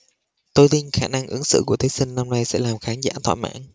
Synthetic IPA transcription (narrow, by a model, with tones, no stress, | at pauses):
t̪o˧jt̪i˧nxaː˧˩na˧ŋʔɨ˨˦əŋsɨ̰˧˨ku˧˩ət̪ʰi˨˦sï˧ŋ̟na˧mna˧jsɛ̰˧˥laː˨˩mxaː˨˦nza̰ː˧˥t̪ʰwa̰ː˧˨jma̰ː˧˥n